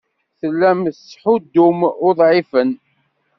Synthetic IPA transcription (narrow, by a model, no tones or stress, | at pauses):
θəlːæmsħʊd̪ːʊmʊðˤʕifən